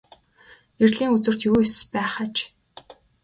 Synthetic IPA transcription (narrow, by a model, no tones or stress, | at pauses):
erɮiːŋut͡swɘ̆r̥t̪juːespæːχat͡ɕ